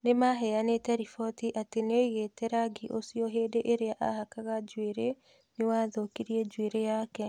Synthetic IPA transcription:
nemaɦɛjanetɛɾifɔtiʔateneoiɣetɛɾaɡiʔosiɔɦeːdeʔeɾeaʔahakaɣad͡ʒweɾe | newaðokiɾiɛd͡ʒweɾejakɛ

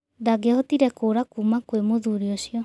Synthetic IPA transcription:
d̪aɡɛɦɔt̪iɾɛkoɾakumakwemod̪uɾiɔsiɔ

